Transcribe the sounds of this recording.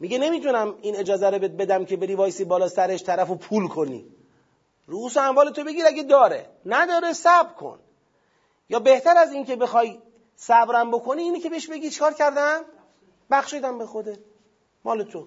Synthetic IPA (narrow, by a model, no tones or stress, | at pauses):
miɟene̞miːt̪ʰunæmine̞d͡ʒɒːzæɾobebe̞d̪æmcʰe̞be̞ɾiːvɒːjesibɒːlɒːsæɾeʃt̪ʰæɾæfopʰuːlkʰo̞nḭ | ɾuuːsoæmvɒːle̞t̪ʰobe̞ɡiːɾæɡʲed̪ɒːɾḛ | næd̪ɒːɾesæbɾkʰo̰n | jɒːbe̞ht̪ʰæɾæziːncʰe̞be̞xɒːj | sæbɾæmbo̞kʰo̞niːiːnece̞beeʃbe̞ɟiːt͡ʃʰe̥kɒːɾcʰæɾd̪æm | bæxʃed̪æmbexo̞d̪et̪ | mɒːle̞t̪ʰo